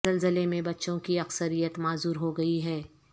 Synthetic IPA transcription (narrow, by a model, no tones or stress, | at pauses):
ɐlzəlemẽbɐtːʃõkiɐksəɾijət̪maːzuːɾɦoɡɐiɦɛː